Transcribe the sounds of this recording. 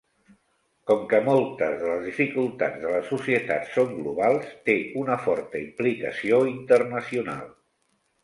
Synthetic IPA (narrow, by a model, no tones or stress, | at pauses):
kɔmkəmɔlˠt̪əzðələzðifikulˠt̪ad͡zðələsusiət̪a̰t̪soŋɡluβ̞alˠst̪eunəfɔɾt̪əimplikə̰sioint̪ərnəsiuna̰lˠ